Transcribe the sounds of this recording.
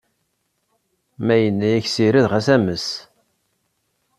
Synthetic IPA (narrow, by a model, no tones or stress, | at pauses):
mæjənːæjæçsiɾiðʁæsæməs